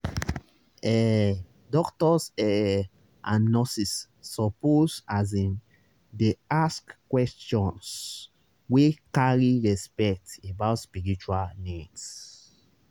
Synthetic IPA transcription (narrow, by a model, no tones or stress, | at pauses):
ɛ | dɔktɔsɛ | ãnnːɔsisː | ɔposazĩm | deaskkːwɛstɔ̃ns | wekaɹiɹɛspɛktebaʊtspiɹit͡ʃualnits